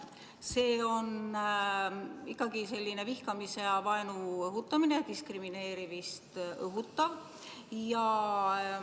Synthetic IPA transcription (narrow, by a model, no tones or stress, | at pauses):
se̞ːo̞n | ikːˑɑɡ̥ise̞lʲːine̞vihkɑmiseɑvɑjnuɤɦut̪ːˑɑmine̞t̪iskrimine̞ːɾivist̪ɤɦut̪ːɑv | jɑ